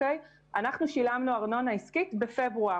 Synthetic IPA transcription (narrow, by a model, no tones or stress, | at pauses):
ej | ʔanaχnuʃilamnuaʁno̞naiskitbefe̞bʁua